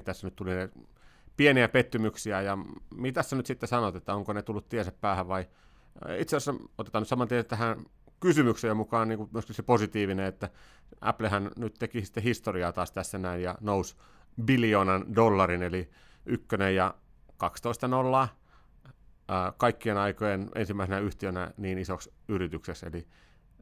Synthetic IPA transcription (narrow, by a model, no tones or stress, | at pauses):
t̪æsːænyt̪t̪ulinepieniæpet̪ːymyksiæjɑmit̪æsːænyt̪sit̪ːesɑnot̪et̪ːæoŋkonet̪ulːut̪t̪iɛseppæːhæʋʋɑi | it̪sesːæot̪e̥t̪ɑnyt̪sɑmɑnt̪ieset̪æhæn | kysymyksejomukɑːnniːŋkumyøskilseposit̪iːʋineet̪ːæ | ʔæ̰plehænnyt̪t̪ekisi̥t̪ːehist̪oriɑːt̪ɑːst̪æsːænæinjɑnous | biljoːnɑndolːɑrineli | ykːønejjɑ | kɑkst̪oist̪ɑnolːɑː | kɑikːienɑikojenḛnsimːˑæisenæyht̪iønæ̰niːnisoksyrit̪ykseksḛli